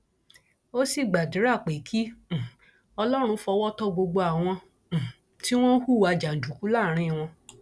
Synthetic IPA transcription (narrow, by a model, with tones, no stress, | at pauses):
o˦si˦˨ɡ͡ba˨di˨˦ɾa˦˨k͡pe˨˦kʰi˦˨ | ɔ˧lɔ˦ɾ̃ũ˧fɔ˧wɔ˦tɔ˦ɡ͡bo˧ɡ͡bo˧a˨w̃ɔ̃˧˨ | ti˦w̃ɔ̃˦hu˦˨wa˧d͡ʒa˨d͡ʒu˨ku˨˦laː˦˨ɾ̃ĩ˦˨w̃ɔ̃˧